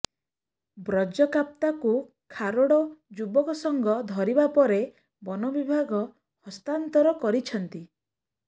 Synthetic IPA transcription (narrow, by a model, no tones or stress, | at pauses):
bɾɔd͡ʒɔkap̚t̪aku | kʰaɾoɽɔd͡ʒubɔkɔsɔŋɡɔd̪ʱɔɾibapɔɾe | bɔnɔbibʱaɡɔ | hɔst̪ant̪ɔɾɔkɔɾit͡ʃʰɔnt̪i